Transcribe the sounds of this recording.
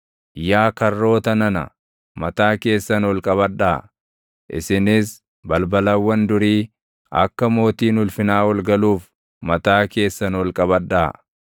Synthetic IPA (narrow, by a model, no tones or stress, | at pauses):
jaːkɐrːo̞ːt̪ɐnɐnɐ̰ | mɐt̪aːke̞ːsːɐnwɔlkʼɐβɐᶑːaː | ʔɪ̰sɪnɪs | bɐlbɐlɐwːɐnd̪ʊɾiː | ɐ̰kːɐmo̞ːt̪iːnʊlfɪnaːwɐlɡɐluːf | mɐt̪aːke̞ːsːɐnwɔlkʼɐbɐᶑːaː